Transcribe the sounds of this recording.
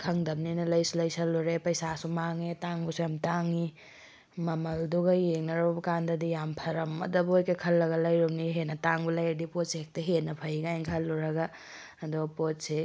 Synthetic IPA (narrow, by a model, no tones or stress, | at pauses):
kʰɐŋdɐp̚ninɐlɐjsulɐjsɐlːuɾepɐjsasumaŋetaŋbusujamtaŋi | mɐmɐlduɡɐjeŋnɐɾɔbɐkandɐdijampʰɐɾɐmɐ̰dɐbojkekʰɐlːɐɡɐlɐjɾumniɦenɐtaŋbulajeɾdipotseek̚tɐɦenɐpʰɐjɡajŋkʰɐlːuɾɐɡa | ɐdupotse